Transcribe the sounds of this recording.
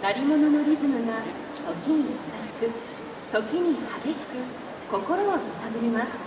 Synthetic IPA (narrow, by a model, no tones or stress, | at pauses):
ɡ̪aɾʲimo̞nono̞ɾʲizɨmɯ̟ɡa | t̪o̞kʲiɲ̟ijasaɕi̥kɯ̟ | t̪o̞kʲiɲ̟ihaɡʲe̞ɕi̥kɯ̟ | ko̞ko̞ɾo̞ːisaɡɯɾemasɨ̥